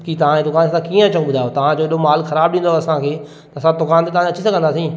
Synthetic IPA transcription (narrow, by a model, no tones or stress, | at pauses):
kit̪ɐʋ̤ãed̪ʊkaːnssãkiːə̃ɐt͡ɕə̃ũɓʊd̪ʱajot̪ɐʋ̤ãd͡ʑoːɪɗomaːlxɐɾaːbɗĩːnd̪oɐsãkʰeː | t̪ɐɐsãd̪ʊkaːnt̪et̪ɐʋãɐt͡ɕisɐɡʱənd̪aːsĩ